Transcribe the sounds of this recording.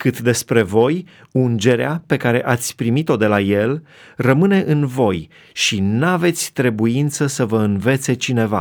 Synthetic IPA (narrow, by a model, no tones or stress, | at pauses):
kɨt̪d̪e̞spɾe̞vo̞j | und͡ʒe̞ɾeape̞kaɾe̞ʔat̪sʲpɾimit̪o̞d̪e̞laje̞l | rəmɨne̞ʔɨnvo̞j | ʃinave̞t̪sʲt̪ɾe̞buint̪səsəvəɨnve̞t̪se̞t͡ʃine̞va̰